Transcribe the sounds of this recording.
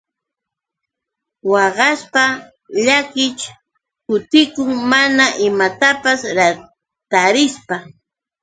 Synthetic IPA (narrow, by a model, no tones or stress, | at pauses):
wɑɢɑspa | ʎakɪt͡ʃ | kʊt̪ɪkʊŋmanaʔɪmat̪apasɾa | t̪aɾɪspa